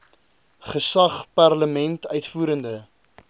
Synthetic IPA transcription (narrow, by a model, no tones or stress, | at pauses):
χəsɐχpɑrləmɛntœɥtfuːɾəndə